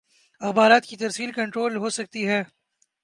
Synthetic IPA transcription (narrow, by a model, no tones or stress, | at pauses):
ɐxbaːɾaːt̪kit̪ɐɾsiːlkɐ̃ɳʈɾoːlɦosɐk̚t̪iɦɛː